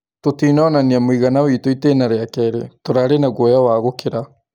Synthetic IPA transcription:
t̪ot̪iːnɔnaniamuiɣanawit̪oit̪eːnaɾeakɛɾet̪oɾaɾenaɡojawaːɣokɪɾa

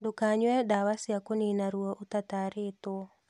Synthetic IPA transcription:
dokaɲwɛdawasjakoninaɾwɔʔotataɾeto

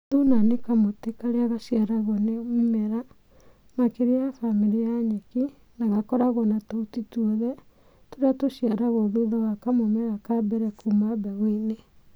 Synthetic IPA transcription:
tunanekamotekaɾeaɣaʃiaɾaɣɔnemimɛɾa | makeɾiafamiɾijaɲeki | naɣakɔɾaɣɔnatautituɔðɛ | toɾeatoʃiaɾaɣoðuðawakamomɛɾakabɛɾɛkʰumabɛɣwene

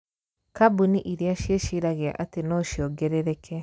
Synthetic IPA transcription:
kabuniʔiɾiaʃeʃiɾaɣea̰ʔatenɔːʃiɔɡɛɾɛɾɛkʰɛ

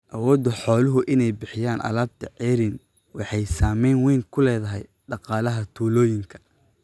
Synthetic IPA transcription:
ʔɐwɔːd̪ɔħɔːlʊɦʊʔɪnɛjbɪħɪjaːnʔɐ̰laːb̚t̪ʰɐʕɛːɾɪn | wɑħɑjsaːmɛjnwɛːŋkʰʊlɛːðɐɦɛ̰j | ɖɑqɑːlɐɦɐt̪ʰuːlɔːjɪŋkʰɐ̥

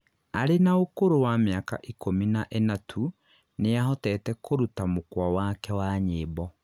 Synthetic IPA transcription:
aɾenaokoɾowameaka̰ʔikominaʔenatʰu | neaɦɔtɛːtɛkʰoɾutamokwawakɛwaːɲeːbɔ

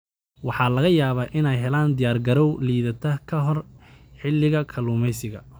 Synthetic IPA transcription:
wɑħɑːlɐɣɐjaːβaːʔɪnɛjɦɛlaːnd̪ɪjaːrɡɐɾɔwliːðɐt̪ʰɐkʰɐɦɔrħɪlːɪɣɐkʰɐluːmɛjsɪɣɐ

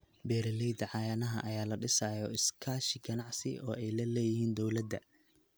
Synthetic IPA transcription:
bɛːɾɐlɛjd̪ɐʕɑjɐnɐɦɐ̰ʔɐjaːlɐɖɪsaːjɔɪskʰaːʃɪɡɐnɑʕsɪ̰ʔɔːʔɛjlɐlɛːjɪɦiːnd̪ɔwlɐd̪ɐ̰

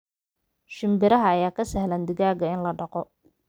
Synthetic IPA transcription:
ʃɪmbɪɾɐɦɐːjaːkʰɐsɛɦlaːnd̪ɪɣaːɣɐɪnlɐɖɑqɔ

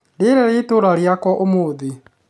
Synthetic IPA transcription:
ndeɾɛɾetoɾaɾjakɔʔomoːði

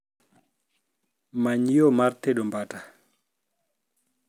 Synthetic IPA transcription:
maɲjomaɾteɗɔmbata

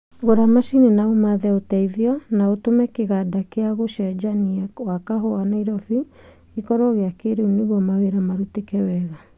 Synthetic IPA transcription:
ɣoɾamaʃinenaumaðɛotɛiðiɔnaotomɛkeɣadakeaɣoʃɛd͡ʒaniawakaɦɔanaiɾɔfi | ikɔɾɔɣeakeɾeuneɣwɔmaweɾamaɾutekɛwɛɣa

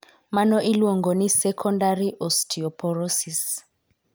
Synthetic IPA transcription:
manɔʔilwɔŋɡʱɔnisɛkʰɔndariʔɔstʰiɔpʰɔrɔsis

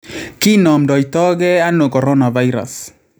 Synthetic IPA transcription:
kinɔmdɔjtɔɡeanokoɾɔnavajɾa̰s

